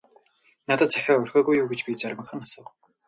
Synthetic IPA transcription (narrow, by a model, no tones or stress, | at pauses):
nat̪ə̆t̪t͡sʰæxʲaːɵrxʲɔːɣujuːɡet͡ɕpʲit͡sœɾʲmə̆χə̆nasə̆w